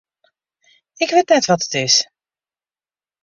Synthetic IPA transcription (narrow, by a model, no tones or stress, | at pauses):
ɪkʋetnɛtʋɑtə̥tɪs